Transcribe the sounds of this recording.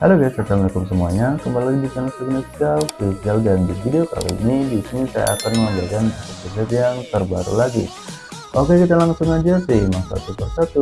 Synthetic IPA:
hadoɡasat͡ʃalməlikʊmsəmuaɲakəmbalilaɡidikanasiɡnaskalkɾisialdandividioka̰lo̰ḭnidisnit̪a̰ja̰kanməmbakanpasasəsat̪jaŋt̪ərbaɾṵlaɡḭ | ʔokekit̪alaŋsʊŋad͡ʒasɪhimaŋsa̰t̪upərsat̪u

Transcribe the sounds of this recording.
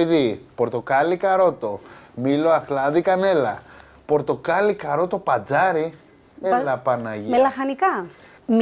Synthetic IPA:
iðipo̞ɾt̪o̞kɐlikɐɾo̞t̪omilo̞axlɐðikɐne̞lɐ̰ | po̞ɾt̪o̞kɐlikɐɾo̞t̪o̞pɐd͡zɐɾi | elɐpɐnɐʝimelɐxɐnikɐ | m

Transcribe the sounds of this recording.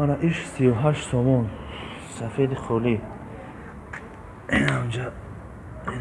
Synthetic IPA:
anaʔiʃsiuɦaʃsɔmɔn | safed̪iχʰɔli | aud͡ʒa

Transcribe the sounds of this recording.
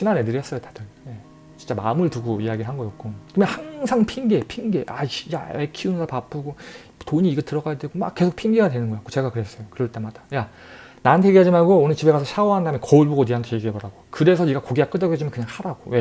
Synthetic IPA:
ɕʰinanenɯɾjʌs͈ʌjotḁdɯɭje̞ | t͡ɕint͡ɕ͈ama̰ɯmɯɭtuɡoijaɡiɾɭɦanɡʌjʌk̚k͈okɯmjʌnhaŋsʰaŋpʰinɡepʰiŋɡeʔaɕja̰ekʰiunsapap͈ɯɡo | toɲiːɡetɯɾʌɡajadwe̞ɡoma̰k͈ːe̞sʰok̚pʰiŋɡiɡadwe̞nɯnɡʌak͈ot͡ɕe̞ɡakɯɾe̞s͈ʌjokɯɾʌɭt͈e̞mad̥ḁja | nanɯntʰeɡiɦad͡ʑimaɭɡoːnɯt͡ɕibe̞ɡasʰɕʰawoɦandamekʌuɭboɡoniɦantʰojeɡiebʌɾaɡokɯɾe̞sʰʌiɡakoɡiɡak͈ɯd͡ʑʌɡed͡ʑ͈imjʌnkɯɲaŋsʰaɾaɡowe̞

